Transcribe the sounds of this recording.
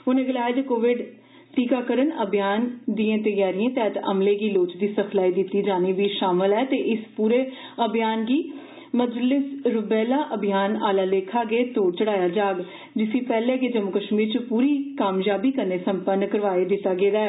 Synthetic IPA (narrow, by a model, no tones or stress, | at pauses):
ʊnẽːɡəlaːjed̪ekoːʋɪɖ | ʈiːkaːkəɾənəbɪjaːnd̪iːẽːt̪əjaːɾijãːt̪ɛːt̪ə̰mleːɡiːloːt͡ʃd̪iːsəpʰlaːiːd̪ɪt̪ːiːd͡ʒaːniːʋiːʃaːməlɛːt̪eːʔɪspuːɾeː | əbɪjaːnɡiː | məd͡ʒlɪsɾʊbɛːlaːʔəbʱɪjaːnaːlaːleːkʰaːɡeːt̪oːt͡ʃəɽaːjaːd͡ʒaːɡ | d͡ʒɪsĩːpɛːlẽːked͡ʒəmʊkəʃmiːɾt͡ʃəpuːɾiːkaːmjaːbiːkəɾneːsəmpənːkəɾʋaːeːd̪ɪt̪ːaːɡeːdaːɛː